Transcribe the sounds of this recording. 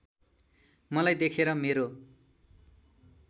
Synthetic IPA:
mʌlajd̪ekʰeɾʌmeɾo

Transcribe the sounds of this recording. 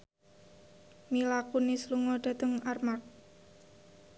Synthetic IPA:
milakunisluŋoɖ̪̥a̤t̪əŋarmak̚

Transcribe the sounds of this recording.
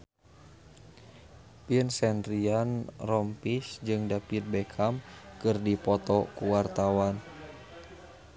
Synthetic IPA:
piənsɛnd̪ɾianrɔmpisd͡ʒɨŋdapit̪̚bɛkʰamkɨrdipɔt̪ɔkuwart̪awan

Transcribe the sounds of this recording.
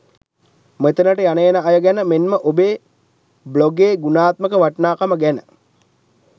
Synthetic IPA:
met̪ənəʈəjanəjenəajəɡænəmenməʔobeː | bloɡeːɡunaːt̪̚məkəʋaʈnaːkaməɡænə

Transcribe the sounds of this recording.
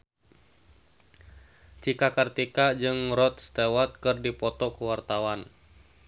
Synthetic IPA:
t͡ʃikakart̪ikad͡ʒɨŋɾɔt̪̚st̪ewat̪̚kɨrdipɔt̪ɔkuwart̪awan

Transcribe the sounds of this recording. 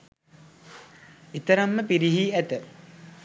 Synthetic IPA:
it̪ɐɾɐmːəpiɾiɦiæt̪ə

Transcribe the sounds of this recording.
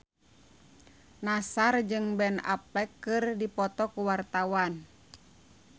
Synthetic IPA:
nasard͡ʒɨŋbɛna̰pɛkːɨrdipɔt̪ɔkuwart̪awan

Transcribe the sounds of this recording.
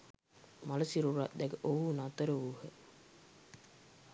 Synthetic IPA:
malɐsiɾuɾa̰ʔd̪ɛɡəʔoɦunat̪əɾəuɦə

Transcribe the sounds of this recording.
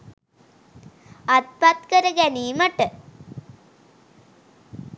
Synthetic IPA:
at̪̚pat̪kəɾəɡæniːməʈə

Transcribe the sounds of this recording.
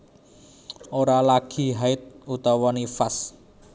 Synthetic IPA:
oɾalaɡ̥i̤ɦaɪt̪̚ut̪ɔwɔnifas

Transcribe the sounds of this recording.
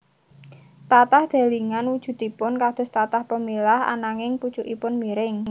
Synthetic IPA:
t̪at̪ahd̪̥a̤liŋanwud̥ʒ̥ṳt̪ipʊnkad̪̥ʊ̤st̪at̪ahpəmilaha̰naŋɪŋput͡ʃuʔipʊnmiɾɪŋ

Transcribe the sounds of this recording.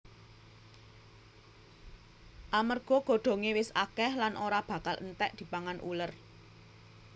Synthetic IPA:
ʔamərɡ̥ɔ̤ɡ̥o̤ɖ̪̥o̤ŋewɪsʔakɛhlanʔoɾab̥ä̤kalə̰nt̪ɛʔd̪̥i̤paŋanʔṵlər

